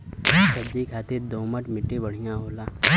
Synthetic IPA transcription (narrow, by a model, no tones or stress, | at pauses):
sɐbd͡ʒikʰaːt̪eɾd̪oːməʈmɪʈːebəɽ̤ijãɦoːlaː